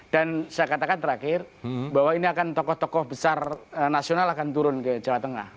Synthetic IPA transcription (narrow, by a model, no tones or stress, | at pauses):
d̥ansajakat̪akant̪əɾakɪrbawainiakant̪ɔkɔht̪ɔkɔhbəsarənasionalakant̪uɾʊnkəd͡ʒawat̪aŋa̰h